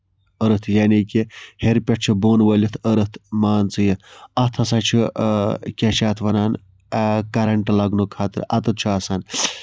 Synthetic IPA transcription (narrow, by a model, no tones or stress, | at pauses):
əɾɨt̪ʰjaːnikʲiheɾpʲɐʈt͡ʃʰiboːnʋəlʲit̪ʰəɾɨt̪ʰmaːnt͡sɨjɐnɐt̪ʰɐsɐt͡ʃʰi | kʲɐʃaːt̪ʰʋɐnaːn | kɐɾɐɳʈlɐɡnukʰaːt̪ɨ̰ɾɐt̪ɨt͡ʃʰuɐsan